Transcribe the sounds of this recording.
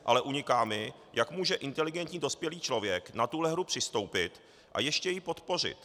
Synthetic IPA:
ʔa̰lɛʔuɲɪkaːmɪ | jakmuːʒɛʔɪnt̪ɛlɪɡɛnt̪ɲiːdo̞spjɛliːt͡ʃlo̞vjɛknat̪uɦlɛɦɾupr̥ɪst̪o̞wpɪt̪ | ʔa̰jɛʃcɛjɪpo̞t̪po̞r̝ɪ̰t̪

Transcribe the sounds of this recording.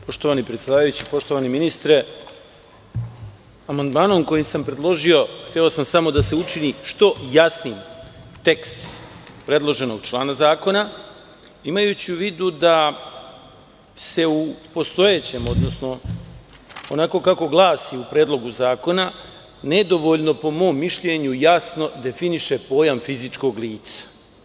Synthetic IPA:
po̞ʃt̪oʋanipɾet̪sʲed̪aːʋajut͡ɕipo̞ʃt̪o̞ʋaniminist̪ɾe̞ | amand̪maːno̞mko̞jimsampɾe̞d̪lˠo̞ʒio̞xt̪eosamsamo̞d̪ase̞ut͡ʃiniʃt̪o̞jasnimt̪e̞kst̪pɾe̞d̪lˠo̞ʒe̞no̞ɡ̚t͡ʃlˠaːnazaːko̞na | imajut͡ɕiuʋiːd̪ud̪a | se̞upo̞st̪o̞jet͡ɕe̞ːmo̞d̪no̞sno̞ | onako̞ːkako̞ɡlˠaːsiupɾeːd̪lˠo̞ɡuzaːko̞na | ne̞d̪o̞ʋo̞ʎno̞po̞mo̞ːmːiʃʎe̞ɲujasno̞d̪e̞finiʃe̞po̞ːjamfizit͡ʃko̞ɡliːt̪sḁ

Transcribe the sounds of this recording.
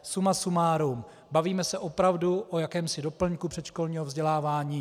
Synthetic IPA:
sumasumaːɾum | baviːmɛsɛʔopɾavduʔojakɛːmsɪdo̞pl̩ɲkupr̥ɛt̪ʃkolɲiːɦovzɟɛlaːvaːɲiː

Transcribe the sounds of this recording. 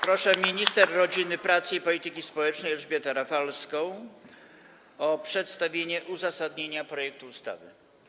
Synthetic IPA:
pɾɔʂɛmʲiɲist̪ɛɾːɔd͡ʑinɘpɾat̪sɘipɔlʲit̪ɘkʲispɔwɛt͡ʂnɛjɛʐbʲjɛt̪ɛɾafalskɔ̃w̃ | ɔpʂɛt̪st̪avʲjeɲɛʔuzasad̪ɲeɲapɾɔjɛk̚t̪uust̪a̰vɘ̰

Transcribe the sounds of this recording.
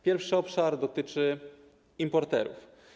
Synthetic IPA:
pʲjɛɾfʂɘɔpʂaɾd̪ɔt̪ɘt͡ʂɘ | impɔɾt̪ɛ̰ɾṵf

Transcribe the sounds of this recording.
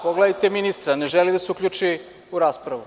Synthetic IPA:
poɡlaajt̪eminist̪ɾaneʒelid̪aseukʎʲut͡ʃi | uɾaːspɾaʋu

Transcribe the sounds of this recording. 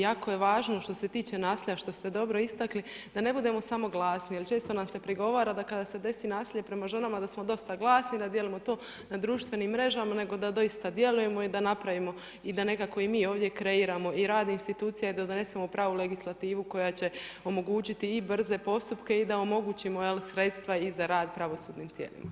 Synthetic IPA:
jaːkoje̞ʋaːʒno̞ʃt̪o̞se̞t̪iːt͡ʃe̞naːsiːʎaʃt̪o̞st̪e̞d̪o̞bɾo̞ist̪akli | d̪ane̞bud̪e̞mo̞samo̞ɡlˠaːsnialt͡ʃe̞ːst̪o̞namse̞pɾiɡo̞ʋaːɾad̪akad̪ase̞d̪e̞sinaːsiːʎe̞pɾe̞maʒe̞namad̪asmo̞d̪o̞st̪aɡlˠaːsnid̪ad̪je̞limo̞t̪o̞ː | nad̪ɾuːʃt̪ʋe̞niːmːɾe̞ʒamane̞ɡo̞d̪ad̪o̞jist̪ad̪je̞luje̞mo̞id̪anapɾaʋimo̞ | id̪ane̞kako̞imiːo̞ːʋd̪je̞kɾe̞iːɾamo̞iɾaːd̪inst̪it̪uːt̪sijaid̪ad̪ne̞semopɾaːʋule̞ɡislˠat̪iːʋuko̞jat͡ɕe̞o̞mo̞ɡuːt͡ɕit̪iːbr̩ze̞po̞st̪upke̞id̪ao̞mo̞ɡuːt͡ɕimo̞jelsɾe̞t̪st̪ʋaizaɾaːd̪pɾaʋo̞suːd̪niːmt̪jḛlḭma

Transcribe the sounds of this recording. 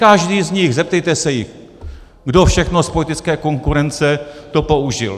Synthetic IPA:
kaʒdiːzɲɪxzɛp̚t̪ɛjt̪ɛsɛjɪx | ɡdofʃɛxnospo̞lɪt̪ɪt͡skɛːko̞ŋkuɾɛnt͡sɛt̪opo̞uʒɪ̰l

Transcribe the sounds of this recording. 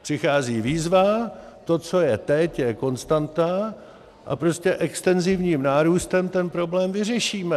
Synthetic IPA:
pr̝̥ɪxaːziːviːzvat̪o̞t͡so̞jɛt̪ɛcjɛko̞nst̪ant̪a | ʔa̰pɾo̞scɛʔɛkst̪ɛnzɪvɲiːmnaːɾuːst̪ɛmt̪ɛnpɾo̞blɛːmvɪrɛʃiːmɛ

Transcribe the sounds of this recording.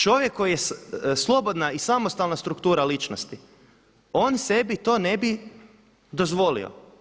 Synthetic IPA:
t͡ʃo̞ʋjekʰːo̞jijesslˠo̞bo̞d̪naisamost̪alnast̪ɾukt̪uːɾalit͡ʃnost̪i | o̞nse̞bit̪o̞ːne̞bi | d̪o̞zʋo̞lḭo̰

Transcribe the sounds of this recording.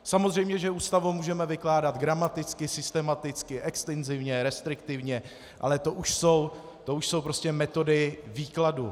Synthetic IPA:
samozrɛjmɲɛʒɛuːst̪avomuːʒɛmɛvɪklaːdad̪ɡɾamat̪ɪt͡skɪsɪst̪ɛmat̪ɪt͡skɪʔɛkst̪ɛnzɪvɲɛɾɛst̪ɾɪkt̪ɪvɲɛ | ʔa̰lɛt̪o̞ʔuʃso̞w | t̪o̞uʃso̞wpɾo̞scɛmɛt̪o̞dɪviːkladu

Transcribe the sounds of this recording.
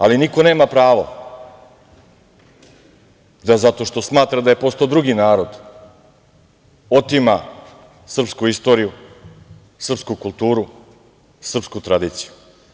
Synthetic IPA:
aliniko̞ne̞ːmapɾaːʋo̰ | d̪azat̪o̞ʃt̪o̞smaːt̪ɾad̪aje̞post̪od̪ɾuɡinaːɾo̞d̪ | ot̪ima | sr̩pskuist̪o̞ːɾiju | sr̩pskukulˠt̪uːɾu | sr̩pskut̪ɾad̪iːt̪siju

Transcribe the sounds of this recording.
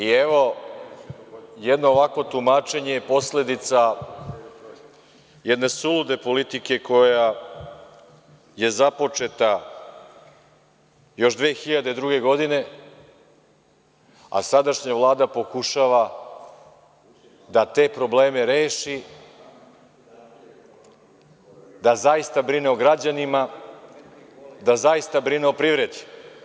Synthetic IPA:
ieʋo̞ | jɛd̪no̞ːʋakʋo̞t̪umaːt͡ʃe̞ɲe̞jepo̞sle̞d̪it̪sa | jɛd̪ne̞sulud̪e̞po̞lit̪ike̞kʰo̞ja | je̞zapo̞t͡ʃe̞t̪a | jo̞ʃd̪ʋeːxiʎad̪ed̪ɾuɡe̞ɡo̞d̪ine̞ | a̰sad̪aʃɲavlˠaːd̪apo̞kuʃaʋa | d̪at̪e̞ːpɾo̞ble̞ːme̞ɾeːʃi | d̪azajist̪abɾineoɡɾad͡ʑanima | d̪azaist̪abɾineopɾiːvɾe̞d̪i̥

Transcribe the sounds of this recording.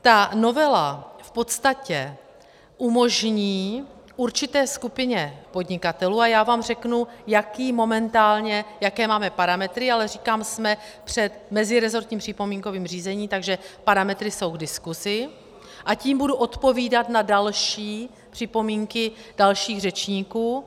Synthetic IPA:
t̪ano̞vɛlafpo̞t̪st̪acɛ | ʔumo̞ʒɲiː | ʔuɾt͡ʃɪt̪ɛːskupɪɲɛpo̞dɲɪkat̪ɛluːajaːvaːmr̝ɛknujakiːmo̞mɛnt̪aːlɲɛjakɛːmaːmɛpaɾamɛt̪ɾɪalɛriːkaːmsmɛ | pr̝̥ɛt̪mɛzɪɾɛzo̞ɾt̪ɲiːmpr̝̥ɪpo̞miːŋko̞viːmr̝iːzɛɲiːt̪aɡʒɛpaɾamɛt̪ɾɪso̞wɡdɪskuzɪ | ʔaciːmbuduʔo̞t̪po̞viːdat̪nadalʃiː | pr̝̥ɪpo̞miːŋkɪd̥alʃiːɣrɛt͡ʃɲiːkuː

